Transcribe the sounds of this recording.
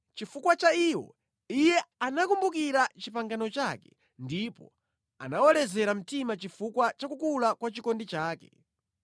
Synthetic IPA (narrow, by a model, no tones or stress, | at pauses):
t͡ʃifukwat͡ʃaiwɔ̰ | ijɛanakumbuk̬iɾat͡ʃipaŋɡanɔt͡ʃakɛ̥ | ndipɔ̰ | a̰nawɔlɛzɛɾam̩timat͡ʃifukwat͡ʃakukulakwat͡ʃikɔndit͡ʃaːkɛ